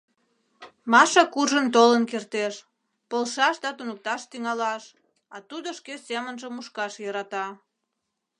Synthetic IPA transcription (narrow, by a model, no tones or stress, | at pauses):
mɑʃɑkurʒənt̪olənkert̪eʃ | polʃɑʃd̪ɑt̪unək̚t̪ɑʃt̪yŋɑlɑʃ | ɑt̪ud̪oʃkesemənʒəmuʃkɑʃjɤɾɑt̪ɑ